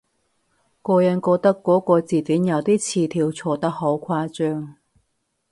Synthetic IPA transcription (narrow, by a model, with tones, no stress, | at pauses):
kɔː˧jɐ˨˧nkɔː˧k̚t̪ɐ˥kːɔː˨˥kɔː˧t͡siː˨˩t̪yː˨˥njɐ˨˧wt̪iː˥t͡sʰiː˨t̪ʰiː˧wt͡sʰɔː˧t̪ɐ˥k̚ho˨˥wkʷʰaː˧t͡ʃœː˥ŋ